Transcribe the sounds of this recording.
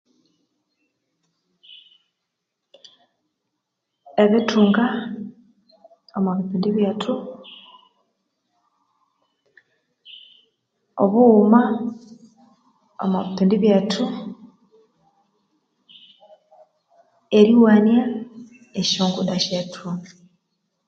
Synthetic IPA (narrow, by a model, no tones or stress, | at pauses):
eβitʰuːŋɡa | omaβipuːndiβjatʰu | oβuma | omaβipuːndiβjatʰu | eɾiwaːnja | eoːŋɡudaʃetʰuŋa